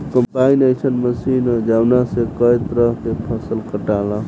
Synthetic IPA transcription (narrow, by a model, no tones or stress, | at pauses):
kəmpainəjt͡ʃʰənməsind͡ʒawnasekəjt̪ɾəɦk̪epʰəsəlkəʈala